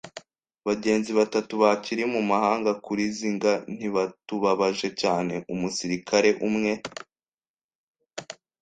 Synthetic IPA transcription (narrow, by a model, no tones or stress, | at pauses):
βaɟe̞ːnziβatatuβaciɾimumahaːŋɡakuɾiziŋɡan̥hiβatuβaβaʒe̞caːne̞ʔumusiɾikʰaɾe̞ʔumŋe̞